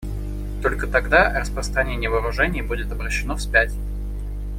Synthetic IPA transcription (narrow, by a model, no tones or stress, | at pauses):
t̪o̞lʲkət̪ɐɡd̪arəspɾəst̪ɾɐnʲenʲɪjəvəɾʊʐɛnʲɪjbudʲɪt̪ɐbɾəɕːɪnofsʲpʲætʲ